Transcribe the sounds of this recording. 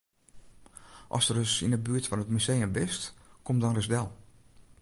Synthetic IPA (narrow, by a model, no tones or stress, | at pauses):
ʔɔ̰sərəsḭnəbyətfɔnətmysejəmbɪstkomdɔnrəzdɛlˠ